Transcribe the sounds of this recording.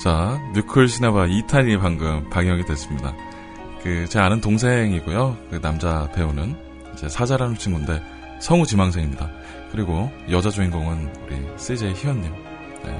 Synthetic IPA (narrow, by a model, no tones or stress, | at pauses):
t͡ɕaɲukʰɯɭɕʰinabaitʰaʎiepaŋɡɯmpaɡjʌŋidwe̞s͈ɯmɲida̰ | kɯt͡ɕe̞anɯntoŋsʰe̞ŋiɡojokɯnamd͡ʑate̞unɯn | id͡ʑe̞sʰad͡ʑaɾanuɭt͡ɕʰiŋɡunde̞ | sʰʌŋut͡ɕimaŋsʰe̞ŋimɲida | kɯɾiɡojʌd͡ʑad͡ʑoinɡoŋɯnuɾḭs͈ed͡ʑeçiwʌnɲim | ne̞̰